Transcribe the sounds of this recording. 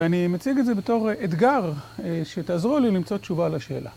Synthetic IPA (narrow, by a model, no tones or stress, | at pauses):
animet͡siɡetze̞beto̞ʁet̪ɡaʁʃet̪aːzʁulilimt͡sott͡ʃuvaːlaʃe̞ːlʔa̰